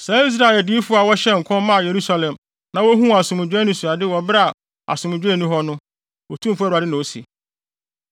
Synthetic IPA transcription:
sɛ˨˦i˦s̬ɾa˦˨ɛ˨di˦fʊ˦a˨wɔ˦ɕɛ˦ŋ̩˨kʰɔ̃˦mmːã˦˨je˨ɾu˦sa˦lɛ̃˨m | nã˨˦wo˦ɦũ˦˨a˨sʊ̃˨mʊ̃˨d͡ʑᶣɛ˦nʊ̃˦su˨a˨dɪ˦wɔ˨bɾa˨ | a̰˨sʊ̃˨m̃˨d͡ʑᶣɛ˦˨nũ˦ɦɔ˦nʊ̃˦ | wɔ˨tʰũ˦m˨fa˨ɪ˦nã˨wo˦sḭ˨

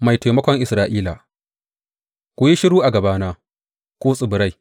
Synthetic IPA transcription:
ma˨jta˨jmɐ˦kʷɔ˦ŋʔɪ˨sɾaː˦ʔiː˦la˨ | kʷʊ˨ji˦ʃɪ˦ɽuː˦ʔa˨ɡɐ˨baː˦naː˦ | kʷoː˦sʼɪ˨bʊ˨ɾa˦˨j

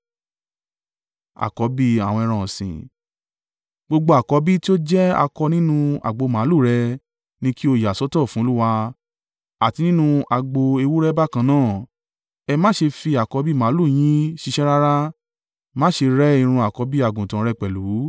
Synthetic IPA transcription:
a̰˨kɔ˨˦bi˦a˨wɔ̃˧ɛ˧ɾ̃ã˧˨sḭ̃˨ | ɡ͡bo˧ɡ͡bo˧a˨kɔ˨˧˦bi˦ti˦o˦d͡ʒɛ˦a̰˧kɔ˧nĩ˦nũ˧a̰˨ɡ͡bo˧mã˨˦lu˦˨ɾɛ˧ | nĩ˦ki˦o˧ja˨sɔ˨˦tɔ˦˨fũ˨˦lu˦wa˧ | a˨ti˧nĩ˦nũ˦˧a˧ɡ͡bo˧e˧wu˦ɾɛ˦ba˦˨kã˧˦nãː˦˨ | ɛ˧mã˦ʃe˧fi˧a˨kɔ˧˦bi˦˨mã˨˦lu˦˨j̃ĩ˦ʃi˧ʃɛ˦ɾa˦ɾa˦ | mã˦ʃe˧ɾɛ˦i˧ɾ̃ũ˧a˨kɔ˧˦bi˦a˦˨ɡũ˨tã˨˦ɾɛ˧k͡pɛ˨lu˨˦

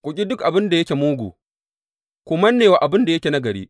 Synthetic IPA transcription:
kʷʼʊ˨kʲʼi˦dʊ˦kʔa˨bɪ˦nda˨jɐ˦kʲe˨muː˦ɡʷṵː˨ | kʷoː˨mɐ˦nːeː˨waː˨ʔa˨bɪ˦nda˨jɐ˦kʲe˨na˦ɡɐ˨ɽḭː˦

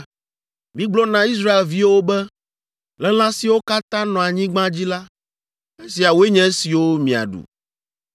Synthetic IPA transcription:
mĩ˦ɡ͡blɔ˦nã˦i˦s̬ɾa˦e˨lvi˦wo˦bɛ˦ | lɛ˦l̃ã˦si˨wo˦ka˦t̪ã˦nɔ̃˨a˨ɲĩ˦ɡ͡bã˦d͡ʑi˦la˦ | e˦si˨a˨wo˦e˦ɲɛ̃˦si˨wo˦mĩ˨a̰˨ɖṵ˨

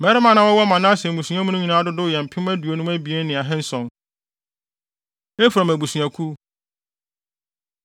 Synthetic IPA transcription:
mɛ˨˦ɾɪ˦mã˦˨nã˦wɔ˦wɔ˦mã˨nã˦a˦sɛ̃˨ũ˨sũ˨˦a˦mũ˦nʊ̃˦ɲĩ˨nã˦dʊ˦dʊ˦˨jɛ˨m̩˨pʰɪ˦m˦æ˦du˨o˨nũ˦mæ˦bi˨e˦n˦nɪ̃˨a˨ɦɛ̃˦n̩˦sɔ̃˨n | e˦fɾɔ˨mæ˨bu˨sũ˨a˨kʰu˦

